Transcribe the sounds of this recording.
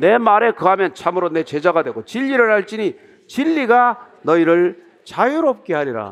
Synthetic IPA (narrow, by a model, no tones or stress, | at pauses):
ne̞maɾe̞kɯɦamjʌnt͡ɕʰamɯɾone̞t͡ɕe̞d͡ʑaɡadwe̞ɡot͡ɕiʎːiɾɯɭhaɭt͡ɕ͈ini | t͡ɕiʎːiɡa | nʌiɾɯɭ | t͡ɕajuɾop̚k͈e̞ɦaɾiɾa̰